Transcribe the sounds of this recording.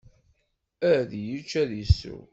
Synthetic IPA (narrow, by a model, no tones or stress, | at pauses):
æðjit͡ʃːæðəsːṵw